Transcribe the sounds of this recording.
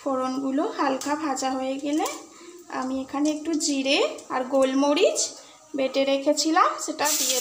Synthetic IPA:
pʰɔɹonɡulohalkʰabʱazaɦojeɡele | a̰miekʰaneek̚ʈud͡ʒiɹeaɹɡolmoɹid͡ʒ | beʈeɾekʰet͡ɕʰilamzeʈadije

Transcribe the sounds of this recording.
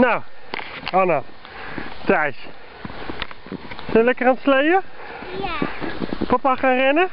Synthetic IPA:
naw | ona | tɛjs | sɛlɛkərantslejvə | papaχaːnrɛnə

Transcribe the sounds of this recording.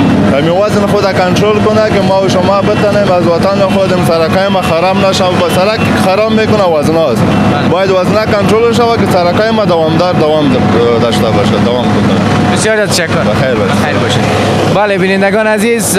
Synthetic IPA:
amiwaznxod̪akaɳʈɾolkʊnakemawʃamabət̪anemazwat̪ɑnːaxod̪emsaɾakɑjmaxaɾɑbnaʃawbasaɾak | xaɾɑbːekʊnawaznɑst̪ | bɑjad̪waznakaɳʈɾolʃ̬awakesaɾakɑjmad̪awɑmd̪ɑɾd̪awɑm | d̪aʃt̪abaʃad̪awɑmkod̪a̰ɾ | bɪsjɑɾzɑt̪ːaʃakːʊɾbaxajɾbɔ̰ʃexajɾbɔʃe | balebɪnɪnd̪aɡɑnaziz

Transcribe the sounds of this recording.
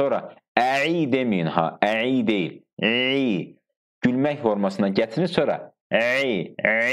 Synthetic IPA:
oɾɑ | æʕijd̪e̞mijinhɑ̰æʕijd̪e̞jil | i | ɟ̥ylmæçfo̞ɾmɑsɯnɑɟæt͡s̪ʰnisoɾɑ̰ | ʕi

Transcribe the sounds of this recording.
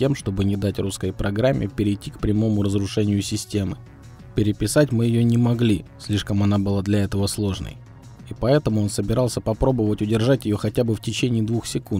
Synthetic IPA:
tʲe̞mʂt̪o̞bɨnʲɪd̪atʲruskəjpɾɐɡɾamʲːʔɪ̰pʲɪɾʲɪjtʲːikpɾʲɪmo̞mʊɾəzɾʊʂɛnʲɪjʊsʲɪsʲtʲe̞mɨ | pʲɪɾʲɪpʲɪsatʲmɨjɪjonʲɪmɐɡlʲisʲlʲiʂkəmɐnabɨlˠad̪lʲɐɛt̪əvəslˠo̞ʐnə̰j | ipɐɛt̪əmʊo̞nsəbʲɪɾɑlˠsʲəpɐpɾo̞bəvətʲʊdʲɪrʐatʲɪjo̞xɐtʲabɨftʲɪt͡ɕenʲɪːd̪vuxsʲɪkun

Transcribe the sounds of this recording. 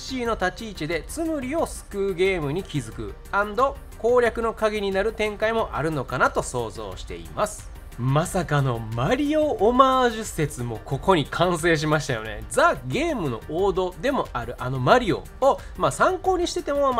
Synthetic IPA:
ɕiːno̞t̪at͡ɕiːt͡ɕid̪e̞t͡sɨmɯ̟ɾʲiosɨ̥kɯːɡe̞ːmɯ̟ɲ̟ikʲizɨkɯ̟̰ | ãnd̪o̞ | ko̞ːɾʲakɯ̟no̞kaɡʲiɲ̟inaɾɯ̟t̪ẽ̞ŋkaimo̞ʔa̰ɾɯ̟no̞kanat̪o̞so̞ːzo̰ːɕi̥t̪e̞̰ḭmasɨ̥ | masakano̞maɾʲio̞ːmaːʑɨse̞t͡sɨmo̞ko̞ko̞ɲ̟ikʰãɰ̃s̬e̞ːɕ̬imaɕi̥t̪ajo̞̰ne̞̰d͡zaɡʲe̞ːmɯ̟no̞ʔoːd̪o̞d̪e̞mo̞aɾɯ̟ʔano̞maɾʲio̞̰ | o | masãŋko̞ːɲ̟iɕi̥t̪e̞t̪e̞mo̞

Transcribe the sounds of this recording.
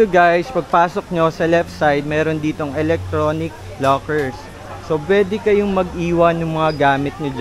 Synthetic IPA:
ʊɡajspɐɡ̚paːsok̚ɲosɐlɛft̪sajd̪̚mɛːɾond̪iːt̪o̞ŋɛlɛk̚t̪ɾoːnɪk̚blokɛɹsː | opwɛːd̪ɛkɐjoŋmɐɡʔiːwɐnʊŋmɐŋaɡaːmɪt̪̚ɲo

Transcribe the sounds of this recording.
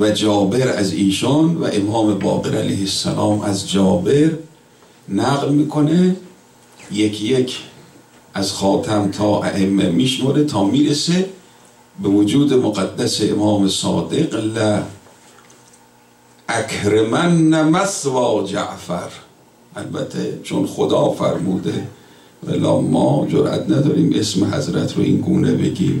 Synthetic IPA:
væd͡ʒɒːbeɾæ̰ziːʃɑnvæ̰ʔemɒːmebɒ̰ːɡeɾæ̰la̰jhesːæ̰lɒːmæzd͡ʒɒːbeɾ | næɣlmiːkʰone | jekʰjekʰ | ʔæzxɒːt̪ʰæmt̪ʰɒːʔæ̰ʔemːḛmiːʃmoɾet̪ʰɒːmiːɾese | bevod͡ʒuːd̪emoɡæd̪ːæseemɒːmesɒːd̪eɡlæ | ʔækʰɾemænːæmæsvɒːd͡ʒæ̰ʔfæɾ | ʔælbæ̰t̪ʰːet͡ʃʰonxod̪ɒːfæ̰ɾmuːd̪e | væ̰lɒ̰ːmɒːd͡ʒoɾʔæ̰t̪ʰnæd̪ɒːɾiːmʔesmeɦæ̰zɾæ̰t̪ʰɾo̰ʔḭnɡuːnḛbeɡʲḭːm

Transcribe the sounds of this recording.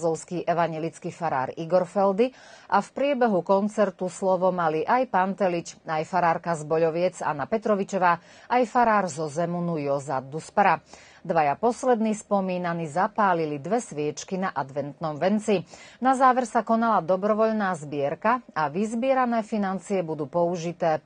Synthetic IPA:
zɔlskiːʔɛʋaɲjɛlit͡skifaɾa̰ːɾiɡɔɾfɛld̪i | ʔafpɾɪɛbɛɦukɔnt͡sɛɾt̪uslɔʋɔmaliʔajpant̪ɛlit͡ʃajfaɾaːɾkazbɔʎɔʋɪɛd͡za̰napɛt̪ɾɔʋit͡ʃɔʋaː | ʔajfaɾaːɾzɔzɛmunujɔzad̪uspaɾa | d̪ʋajapɔslɛd̪niːspɔmiːnanizapaːlilid̪ʋɛsʋɪɛt͡ʃkinaʔad̪ʋɛnt̪nɔmʋɛnt͡sinazaːʋɛɾsakɔnalad̪ɔbɾɔʋɔʎnaːzbɪɛɾkaaʋizbɪɛɾanɛːfinant͡siɛbud̪uːpɔuʒit̪ɛː

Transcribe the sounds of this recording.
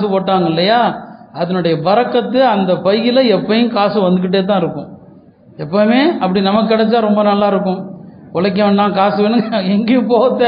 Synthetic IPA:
sɯpoːʈːaːŋɡɐɪlːɐjaːɐðɐnʊɽɐjɐʋɐɾɐkːɐt̪ːɯɐnd̪ɐpɐjːɪlɐɛpːɐjʊ̃kaːsɯʋɐnd̪ɯkːɯʈ̬ːeːt̪ãːɪɾɯkːʊ̃ | ɛpːɐmeːɐpːɐɽinɐmɐkːɯkːɐɽɛt͡ʃːaːɾɔmbɐnɐlːaːɪɾɯkːʊ̃ | kɔɭɐk̬ːɐ̃ɐɳɖãːkaːsɯʋenːɯŋɐɛŋɡejʊ̃poːʋɐt̪ːe

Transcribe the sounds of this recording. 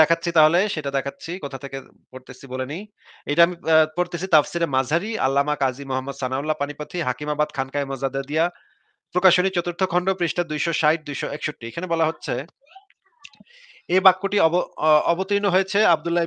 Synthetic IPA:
ɛkʰat̪ːɕʰit̪aɦoleʃeʈad̪ɛkʰatːɕʰikot̪ʰat̪ʰekḛ | poɾt̪esʰibolenij | ejʈaamipoɾt̪et͡ɕʰit̪afsiɾemad͡ʑʱaɾia̰lːamakad͡ʑimoɦamːod̪sanaulːapanipot̪ʰiɦakimabad̪̚kʰankaemɔzad̪ad̪ija | pɾokaʃonit͡ɕɔt̪uɾt̪ʰːokʰɔɳɖopɾiʃʈad̪ujʃoʃajʈ̚d̪ujʃoɛkʃoʈːiekʰanebɔlaɦotːɕʰe | ebakːoʈiɔɔbot̪ɾinoɦojet͡ɕʰeab̚d̪ulːa

